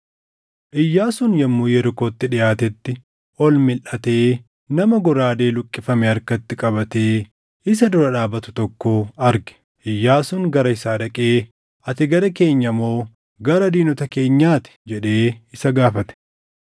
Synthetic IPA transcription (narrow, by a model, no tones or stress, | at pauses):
ʔɪjːaːsʊnjɐmːuːjɛɾkoːt̪ːɪᶑɪjaːt̪ɛt̪ːɪ | ʔɔlmɪlʔɐt̪e̞ː | nɐmɐɡɔɾaːd̪e̞ːlʊkʼːɪfɐmɛɐɾkɐt̪ːɪkʼɐbɐt̪e̞ː | ɪs̬ɐd̪ʊɾɐᶑaːbɐt̪ʊ̥t̪ɔkːoːɐɾɡɛ̥ | ʔɪjːaːsʊŋɡɐɾɐɪsaːᶑɐkʼeː | ʔɐt̪ɪɡɐɾɐke̞ːɲːɐmo̞ː | ɡɐɾɐd̪iːnɔt̪ɐke̞ːɲːaːt̪ɪ̥d͡ʒɛᶑe̞ːɪsɐɡaːfɐt̪ɛ̥